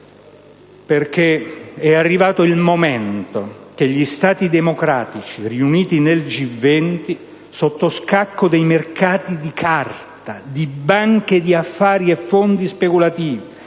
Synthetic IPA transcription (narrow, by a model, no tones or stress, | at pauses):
perk̟eɛarːivaːt̪oilmomɛnt̪ok̟eʎːist̪aːt̪id̪emokɾaːt̪it͡ʃiriuniːt̪ineld͡ʒivːɛnt̪i | sot̪ːoskakːod̪ejmerkaːt̪id̪ikʰart̪ad̪ibaŋked̪iafːaːɾiɛfːond̪ispekulat̪iːvi